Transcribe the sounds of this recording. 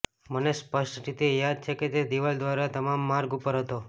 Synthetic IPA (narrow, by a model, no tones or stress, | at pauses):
mənespəʃʈʈit̪ijad̪̚t͡ʃʰeket̪ed̪iʋald̪ʋaɾat̪əmamːaɾɡupəɾɦət̪o